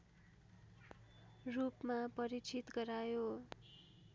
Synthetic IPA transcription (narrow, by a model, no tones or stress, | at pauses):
rupmapʌɾit͡sʰit̪ɡʌɾajo